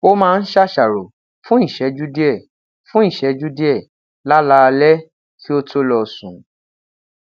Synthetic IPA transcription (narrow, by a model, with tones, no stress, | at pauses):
o˦mãː˧n̩˦ʃa˦ʃa˨ɾo˨ | fũ˦i˦˨ʃɛ˨˦d͡ʒu˦di˦ɛ˦˨ | fũ˦i˦˨ʃɛ˨˦d͡ʒu˦di˦ɛ˦˨ | la˦la˦˧lɛ˦ | kʰi˦o˦to˦lɔ˨sũ˨